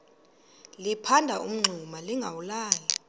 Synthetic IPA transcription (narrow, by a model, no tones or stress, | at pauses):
lipʰandʱaʔum̩ŋ͡ǀʱumaliŋɡʱawulaːli